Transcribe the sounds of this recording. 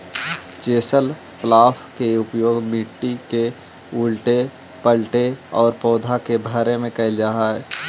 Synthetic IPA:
t͡ʃeːsəl | plaːfkeʊpjoːɡmiʈːike | ʊlʈe | pəlʈeɔːɾpɔːd̪ʱakebʱaːɾemẽkɐɪld͡ʒaːɦaɦɛː

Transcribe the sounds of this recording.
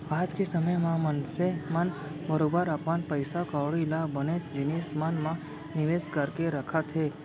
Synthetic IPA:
ad͡ʒkesəməjmãmənseman | bəɾobəɾapʋanpəjsakəʋɭilabəned͡ʒinesmanmã | nɪʋeskəɾkeɾəkʰat̪ʰe

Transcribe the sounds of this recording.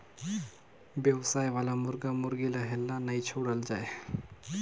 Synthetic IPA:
ʋjəʋsaːjʋalamʊɾɡamʊɾɡilaɦelːanait͡ʃʰoɽəld͡ʒae

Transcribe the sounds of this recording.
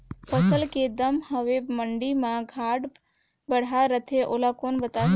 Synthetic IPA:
pʰəsəlked̪əmhəʋeməɳɖimãɡʱaːɽ | bəɽ̤aɾət̪ʰeʔoːlakoːnbət̪a

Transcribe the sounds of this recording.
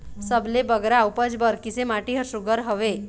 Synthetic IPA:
səblebəɡɾaupəd͡ʒbəɾkɪsemaʈiɦəɾsʊɡəɾɦəʋe

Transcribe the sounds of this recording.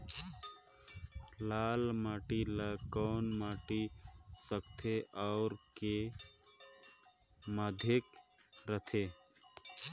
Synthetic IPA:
laːlmaːʈiləkɔːnmaːʈisəkt̪ʰeʔɔːɾke | mad̪ʱekɾət̪ʰe

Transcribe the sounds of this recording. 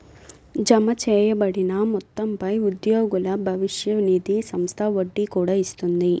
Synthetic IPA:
d͡ʒɐmɐt͡ʃɛːjɐbɐɽinɐmɔt̪ːɐmpɐjud̪joːɡulɐbʱɐʋiʂjɐʋnid̪isɐmst̪ʰɐʋoɖːikuːɽaːist̪und̪i

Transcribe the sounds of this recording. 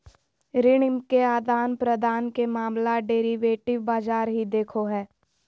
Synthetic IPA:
ɾɪɽɪmkeaːd̪aːnpɾəd̪ʱaːnkemaːmlaɖeːɾiʋeːʈɪʋbaːd͡ʒaːɾɦid̪eːkʰoɦɛː

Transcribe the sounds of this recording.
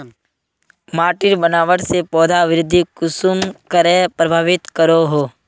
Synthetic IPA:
maːʈɪɾbənaːʋəʈsepɔːd̪ʱaʋɪɾɪd̪ʱːikʊsumkəɾepɾəbʱaːʋɪt̪kəɾoɦoː

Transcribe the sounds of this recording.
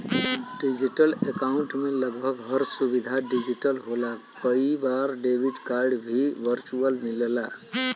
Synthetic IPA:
ɖid͡ʒiʈəlekaʊɳʈmeləɡbʱəɡɦəɾsubid̪ʱaɖid͡ʒiʈəlɦola | kəibaɾɖebʱiɖkaɾɖbʱiʋəɾt͡ʃuəlnilela

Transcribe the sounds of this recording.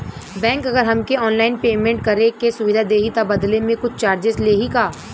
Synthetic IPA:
bɛ̃ːŋkɐɡəɾɦɐmkeɔːnlaːɪnpeːmẽɳʈ̚kɐɾẽkesʊʋɪd̪ʱad̪eːɦit̪abɐd̪lemẽkʊt͡ʃʰt͡ʃaːɾd͡ʒɪsleːɦikaː

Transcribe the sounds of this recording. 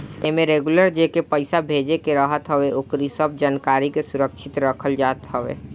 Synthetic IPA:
emẽɾeːɡuləɾd͡ʒekepəɪsabʱeːd͡ʒekeɾəɦət̪ɦəʋeʊkɾisəb̚d͡ʒaːnkaːɾikesʊɾəkʃʰɪt̪ɾəkʰəld͡ʒaːt̪ɦəʋḛː

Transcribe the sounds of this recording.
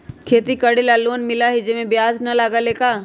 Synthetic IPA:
kʰeːt̪ikəɽilaːloːnmɪlaɦid͡ʒemẽbɪjaːznɐlaːɡaleːkaː

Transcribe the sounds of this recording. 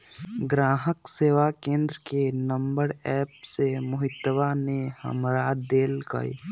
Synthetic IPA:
ɡɾãːɦəkseːʋakẽːnd̪ɾəkenə̃mbəɾɛːpsemʊɦɪt̪ːəʋanehə̰mɾad̪eːlkə̰ḭ

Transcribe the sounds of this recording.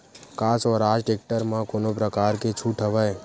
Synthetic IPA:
kasɔɾad͡ʒʈek̚ʈəɾmãkonopɾəkaɾket͡ʃʰuʈʰəʋaj

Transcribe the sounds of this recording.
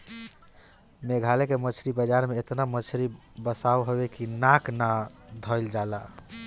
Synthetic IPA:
meɡʱalekemət͡ʃʰɾibəd͡ʒaɾmeet̪namət͡ʃʰɾi | bəsawɦobekinaknad̪ʱɔjld͡ʒala

